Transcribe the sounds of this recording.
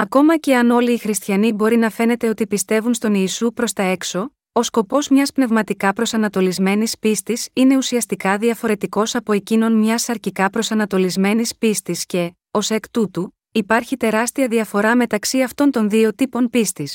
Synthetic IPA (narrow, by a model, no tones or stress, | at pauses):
ɐko̞mɐce̞ɐno̞liːxɾist̪çɐnibo̞ɾinɐfe̞ne̞t̪e̞o̞t̪ipist̪e̞vunst̪o̞niːsupɾo̞st̪ɐe̞kso̞ | osko̞po̞zmɲɐspne̞vmɐt̪ikɐpɾo̞sɐnɐt̪o̞lizme̞nispist̪isine̞usiɐst̪ikɐðiɐfo̞ɾe̞t̪iko̞sɐpo̞e̞cino̞nmɲɐsɐɾcikɐpɾo̞sɐnɐt̪o̞lizme̞nispist̪isce̞ | o̞se̞kt̪ut̪u | ipɐɾçit̪e̞ɾɐst̪iɐðiɐfo̞ɾɐme̞t̪ɐksiɐft̪o̞nt̪o̞nðio̞t̪ipo̞npist̪is